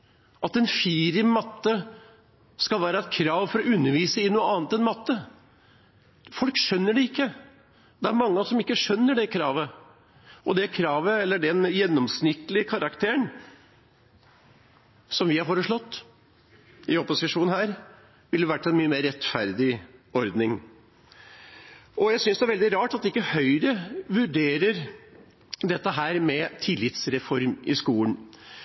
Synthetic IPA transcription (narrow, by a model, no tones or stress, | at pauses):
ʔɑt̪ɛnfiːɾɪmmɑt̪ːə | skɑlʋæːɾəɛt̪̚kʰɾɑːʋfɔɾɔʉnːəɾʋiːsəɪnuːəɑːnt̪ɛnmɑt̪ːə | fɔlkʂœnːəɖɛɪkːə | d̪ɛæɾmɑŋːəsɔmɪkːəʂœnːəɖɛkʰɾɑːʋə | ʔɔd̪ɛkʰɾɑːʋəɛlːəɖɛnjɛnːɔmsnɪt̪ːlɪəkʰɑɾɑkt̪ʰeːəɳ | sɔmʋɪhɑɾfoːɾəʂɭɔt̪ː | ɪɔpʊsɪʂuːnhæːɾ | ʋɪlːəʋæʈːɛnmyːəmeːɾɛt̪fæɾd̪ɪɔɾd̪nɪŋ | ɔjæɪsʏnsd̪ɛæɾʋɛld̪ɪɾɑːʈɑt̪d̪ɪkːəhœʏɾəʋʉɖeːɾəɾ | d̪ɛt̪ːəɦæːɾmɛt̪ʰɪlːɪt̪sɾɛfɔɾmɪskuːən